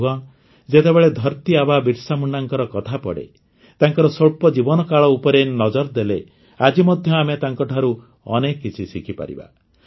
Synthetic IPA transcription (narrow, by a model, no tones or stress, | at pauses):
uaŋ | d͡ʒet̪ebeɭed̪ʱɔɾt̪iababiʈsamuɳɖaŋkɔɾɔkɔt̪ʰapɔ̰ɽḛ | t̪aŋkɔɾɔsoɭpɔd͡ʒibɔnɔkaɭɔupɔɾenɔd͡ʒɔɾd̪ele | ad͡ʒimɔd̪ʱjɔamet̪aŋkɔʈʰaɾu | ɔ̰nekkːit͡ʃʰisikʰipa̰ɾḭba̰